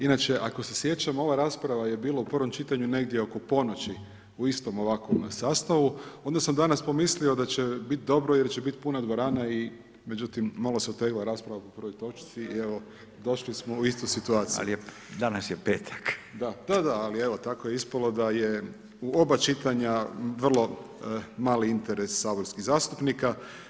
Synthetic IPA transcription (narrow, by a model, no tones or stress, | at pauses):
inat͡ʃe̞ʔako̞sesje̞t͡ʃamo̞ʋaɾaːspɾaʋaje̞biːlˠaupərʋo̞mt͡ʃit̪aɲune̞ɡd̪je̞o̞ko̞po̞no̞t͡ɕi | uist̪o̞mo̞ʋakʋo̞msaːst̪aʋuo̞nd̪asamd̪anaspo̞mislio̞d̪at͡ɕebit̪̚d̪o̞bɾo̞jeɾt͡ʃebit̪punad̪ʋoɾaːnai | me̞d͡ʒut̪imːaloseot̪eklaɾaːspɾaʋapo̞pr̩ʋojt̪o̞t͡ʃt̪sie̞ʋo̞ | d̪o̞ʃlismouist̪ujsit̪uaːt̪sija̰li | d̪anasjepeːt̪ʰḁkd̪ad̪̥ad̪aalie̞ʋot̪akojeispalo̞d̪aje̞ | uo̞bat͡ʃit̪aɲaʋr̩lˠo̞ | maːliint̪e̞ɾe̞sːaːboɾskiɣzaːst̪upnika